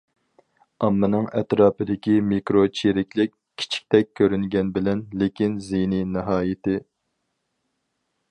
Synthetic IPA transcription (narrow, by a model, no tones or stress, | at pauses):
ɑmːɨnɨŋɛt̪ɾɑːpɨd̪ɪkʲimikɾot͡ʃʰeɾɪkʲlɪkʲʰːi̥t͡ʃʰi̥k̚ʲt̪ʰɛk̚ʲʰːøɾyŋɡʲɛnbɪlɛnlekʲinzeninɨɦɑːjɪt̪ɪ